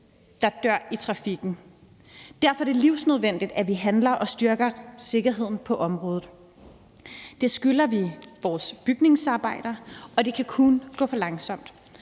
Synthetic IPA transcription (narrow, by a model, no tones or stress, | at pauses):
d̥ɑ̈d̥ɶɐ̰it͡sʰʁɑ̈fiɡ̥n̩ | d̥æɐ̰fɒ̽d̥e̝ɐliʊsnøð̞ˠʋen̰d̥id̥æʋiɦænlɐʔɒ̽sd̥yɐɡ̥ɐse̝ɡ̥ɐɦe̝ð̰ˠn̩pʰɒ̽ʔɒ̽mʁɔ̽ːð̞̩ˠ | d̥e̝sɡ̥ylɐʋiʋɒːsb̥yɡ̥ne̝ŋsɑ̈ːb̥ɑ̈ɪ̰d̥ɐɒ̽d̥e̝kʰækʰunɡ̥ɔ̰̽ːfɒ̽lɑ̈ŋsɒ̽m̰d̥